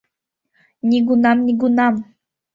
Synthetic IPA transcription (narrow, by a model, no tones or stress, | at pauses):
nʲiɡunɑmnʲiɡunɑm